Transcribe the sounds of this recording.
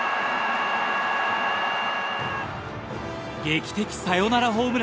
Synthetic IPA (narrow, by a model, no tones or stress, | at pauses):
ɡe̞ːkʲi̥t̪e̞kʲi̥sajo̞naɾaɦo̞ːmɯ̟ɾ